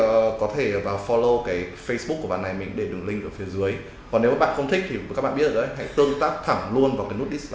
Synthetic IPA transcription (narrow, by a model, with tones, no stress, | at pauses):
kɔ˨˦t̪ʰe˧˩vaː˨˩wfɔ˧lo˧kaː˨˦jfə˧jsɓu˦˥ku˧˩ɓa̰˨˩nːa˨˩jmï˨˩ŋɗe˧˩ɗɨ˨˩ŋlï˧ŋ̟ʔɨ̰˧˩fi˨˦zɨ˨˦əj | kɔ˨˩ne˨˦wɓa̰ː˧˨xə˧wŋ͡mt̪ʰï˦˥k̟̚t̪ʰi˨˩ka˦˥k̚ɓaː˧˨ɓt̪̚ːʔə˧˦jɦa̰˧˥˨jt̪ɨ˧əŋt̪aː˦˥k̚t̪ʰa˧˩ŋlu˧ənvaː˨˩kaː˨˦nu˦˥t̚ʔi˦˥sl